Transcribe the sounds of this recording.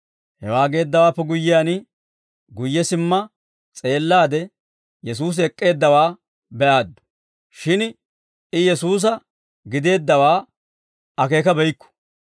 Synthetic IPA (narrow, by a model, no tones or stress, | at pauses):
hɛwaːɡe̞ːd̪ːɐwaːpːɛɡʊjːɪjaːnɪ | ɡʊjːɛsɪmːɐ | t͡sʼe̞ːlːaːd̪ɛ | jɛs̬uːs̬ɛkʼːe̞ːd̪ːɐwaː | bɛʔaːd̪ːʊ̥ | ʃɪn | ɪjɛsuːs̬ɐ | ɡɪd̪e̞ːd̪ːɐwaː | ɐk̬e̞ːkɐbɛjkːʊ̥